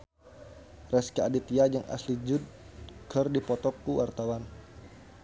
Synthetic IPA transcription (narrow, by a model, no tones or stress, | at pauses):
rɛskaadit̪iad͡ʒəŋʔa̰slid͡ʒud̚ | kərdipɔt̪ɔkːuwʔart̪awan